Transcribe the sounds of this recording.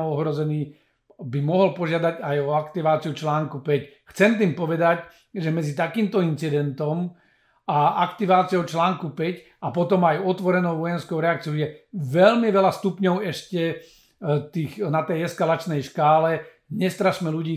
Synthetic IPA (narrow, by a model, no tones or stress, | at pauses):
ɔɦɾɔzɛniː | bimɔɦɔlpɔʒɪad̪aɟajɔakt̪iʋaːt͡siut͡ʃlaːŋkupɛcxt͡sɛnt̪̬iːmpɔʋɛd̪ac | ʒɛmɛd͡zit̪akiːmt̪ɔint͡sid̪ɛnt̪ɔm | aakt̪iʋaːt͡sijɔʊt͡ʃlaːŋkupɛc | apɔt̪ɔmajɔt̪ʋɔɾɛnɔʊʋɔjɛnskɔʊɾɛak̚t͡sijɔʊjɛʋɛʎmiʋɛlast̪upɲɔʊɛʃcɛ | t̪iːxnat̪ɛjɛskalat͡ʃnɛjʃkaːlɛ | ɲɛst̪ɾaʃmɛluɟiː